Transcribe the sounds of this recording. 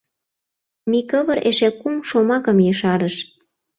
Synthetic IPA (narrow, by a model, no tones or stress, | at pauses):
mikəβəɾʔeʃekumʃomɑkə̆mjəʃɑɾəʃ